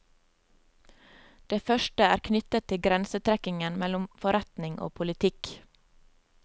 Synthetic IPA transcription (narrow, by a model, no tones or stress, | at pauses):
d̪̥eːfœʃʈəæːɾkʰnʏt̪ət̪ʰːɪɡɾɛnsət̪ʰɾɛkɪŋənmɛlʊmfɔɾɛt̪nɪŋʔo̰ːpʰʊlɪt̪ʰɪk